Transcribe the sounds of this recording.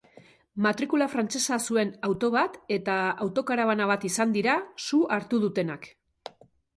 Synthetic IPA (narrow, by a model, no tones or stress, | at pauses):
mat̪ɾikulafɾant͡ʃe̞sasue̞nawt̪o̞β̞at̪e̞t̪aawt̪o̞kaɾaβanaβ̞at̪isand̪iɾasuaɾt̪uð̞ut̪e̞nak